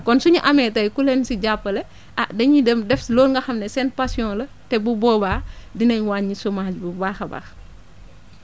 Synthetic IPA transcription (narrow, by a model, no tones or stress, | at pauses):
kɔnsuɲuʔɐmɛtɐjkulɛnsiɟapːəlɛ | ʔaʔdɐɲidɐmdɛflɔːlŋɡɐxɐmnɛsɛn̚pasjɔ̃ːlɐ | tɛbubɔːbaːdinɐɲwaːɲisɔmaːd͡ʒbubaːxɐbɐ̰x